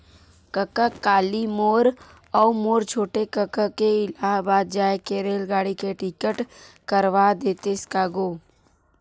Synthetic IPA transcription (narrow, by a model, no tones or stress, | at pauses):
kəkəkaːlimoːɾ | ɔːmoːɾt͡ʃʰoːʈekəkəkeɪlaːɦbaːd̪̚d͡ʒaːekeɾeːlɡaːɽikeʈɪkəʈ | kəɾʋad̪eːt̪eskaːɡoː